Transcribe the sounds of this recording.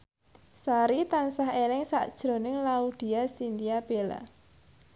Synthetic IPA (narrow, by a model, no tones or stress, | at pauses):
saɾit̪ansahelɪŋsa̰d̥ʒ̥ɾo̤nɪŋlaud̪̥i̤asind̪iab̥ela̰